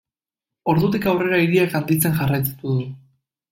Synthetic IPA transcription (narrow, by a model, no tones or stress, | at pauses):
o̞ɾðut̪̬ikawre̞ɾaiɾiakand̪it͡se̞ŋʝarajt̪ut̪uðu